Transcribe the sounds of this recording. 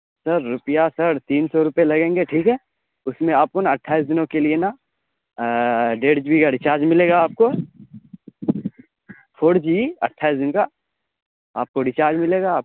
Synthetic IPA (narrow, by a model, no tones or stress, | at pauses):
sɐɾːʊpjasɐɾt̪iːnsɔɾʊpelɐɡẽːŋɡeʈʰiːkɦɛː | ʊsmẽaːp̚konaɐʈʰːaːɪsd̪ɪnõkeliena | ɖeːɖd͡ʒbikaɖɪt͡ʃaːɾd͡ʒmɪleːɡaaːp̚ko | pʰoːɽd͡ʒiɐ̰ʈʰːaːɪsd̪ɪnoka | aːp̚koɖɪt͡ʃaːɾd͡ʒmɪleːɡaːp̚